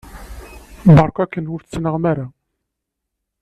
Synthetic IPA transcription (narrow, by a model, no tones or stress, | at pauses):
bɑɾˤkʷækːənhufθt͡sːnəʁmæɾa